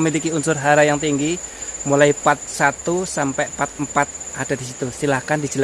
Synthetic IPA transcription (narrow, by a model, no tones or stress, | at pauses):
milikiunsʊrɦaɾajaŋt̪iŋɡimulaipat̪̚sat̪usampɛʔpat̪̚mpat̪̚ʔad̥a̤d̥isit̪usilahkand̥i̥d͡ʒəl